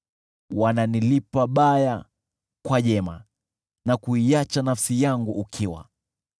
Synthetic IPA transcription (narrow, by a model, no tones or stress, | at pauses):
wananilipaɓaja | kwaʄɛma̰ | nakuiat͡ʃanafsijaŋɡuʔːkʰiwa̰